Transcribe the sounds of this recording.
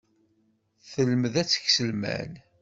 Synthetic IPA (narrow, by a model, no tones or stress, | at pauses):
θələməðæt͡sːə̥çsəlmæ̰n